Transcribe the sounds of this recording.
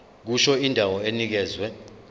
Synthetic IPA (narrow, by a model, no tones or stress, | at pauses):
k̬uʃɔindʱawɔenik̬ɛːzwɛ